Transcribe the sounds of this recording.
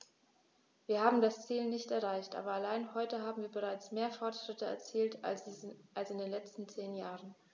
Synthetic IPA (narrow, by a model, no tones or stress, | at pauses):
viːɐhaːbm̩dast͡siːlnɪçtɛɐʁaɪçtʔa̰ːbɐalaɪnɦɔʏtəɦaːbm̩viːɐbəʁaɪt͡smeːɐfɔɐtʃʁ̥ɪtəɛ̰ɐt͡siːltʰ | alsɪndeːnlɛt͡stn̩t͡seːnjaːʁən